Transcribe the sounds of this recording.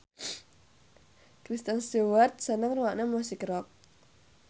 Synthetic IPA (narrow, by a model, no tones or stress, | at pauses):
kɾist̪ənst̪uwərt̪̚sənəŋruwaʔnəmɔsikɾɔk̚